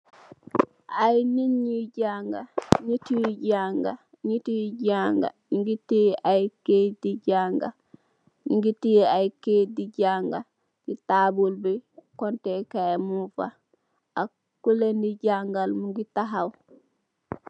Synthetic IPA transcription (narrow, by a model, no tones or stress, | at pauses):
ʔajniɲiɟaŋɡaɲitiwiɟaŋɡa | ɲitiwɟaŋɡa̰ɲiŋɡitiajkediɟaŋɡa̰ | ɲiŋɡitiajkediɟaŋɡa | ɡ̥itabulbɛkɔntɛkamufa̰ | ʔa | kulendiɟaŋɡalmuŋɡitaɦaw